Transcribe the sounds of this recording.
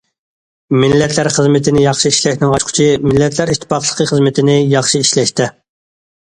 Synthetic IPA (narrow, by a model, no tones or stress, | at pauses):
mɪllːɛt̪ʰlæɾχəzmɪt̪ʰɪnɪjɑχʃiiʃlɛʃnɪŋɑt͡ʃqʰʊ̥t͡ʃʰimɪlːɛt̪ʰlæɾiʃt̪ʰːɪ̥pɑχlˠəqʰəχəzmɪt̪ʰɪnɪjɑχʃiiʃlɛʃt̪ɪ